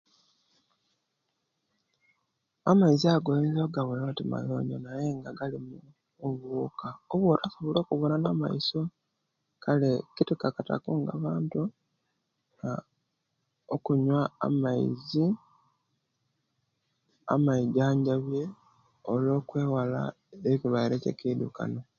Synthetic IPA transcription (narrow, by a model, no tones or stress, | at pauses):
amaiziaɡolenzoɡaβulotima̰jo̰ːɲonaje̞ŋɡaɡalimu | oβukaoβwotasoβolo̞ːkuβonanama̰iso̞ | kʰalekitikakata̰kuŋɡa̰βaːntu | a | okuɲwa̰ːmaḭzi | a̰maiɟaːɲɟaβje̞ | olo̞ːkwe̞ːwala̰ | ekiβaiɾecḛkidṵka̰no̞